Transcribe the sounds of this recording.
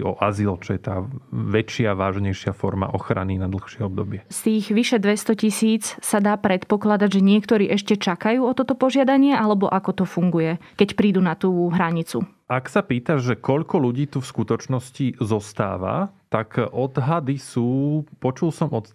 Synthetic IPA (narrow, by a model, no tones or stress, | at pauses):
ɔ̰ʔazilt͡ʃɔjɛt̪aːʋɛt͡ʃɪaʋaːʒɲɛjʃɪafɔɾma̰ʔɔxɾa̰ninad̪l̩xʃɪɛɔbd̪ɔbɪɛst̪iːɣʋiʃɛd̪ʋɛst̪ɔcisiːt͡ssad̪aːpɾɛt̪pɔklad̪aɟʒɛɲɪɛkt̪ɔɾiːʔɛʃcɛt͡ʃakajuːɔt̪ɔt̪ɔpɔʒɪad̪aɲɪɛʔalɛbɔʔakɔt̪ɔfuŋɡujɛkɛcpɾiːd̪uːnat̪uːɦɾaɲit͡sṵ | ʔaksapiːt̪aʒʒɛkɔʎkɔluɟiːt̪ufskut̪ɔt͡ʃnɔscizɔst̪a̰ːʋa̰t̪akʔɔd̪ɦad̪isuːpɔt͡ʃulsɔmɔt̪